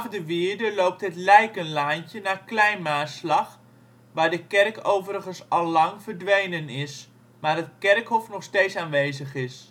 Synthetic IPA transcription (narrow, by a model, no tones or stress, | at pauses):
fdəʋɪəɹdəlowp̚tɦətlɛjkənlaːncənaːklɛjnmaːslɑχ | ʋaːɹdəkɛrkowvəɾəχənsɑlˠːɑŋvəɹdʋejnənɪs | maːrət̚kɛrkɦɔfnɔχsteːtsaːnʋejzəχɪs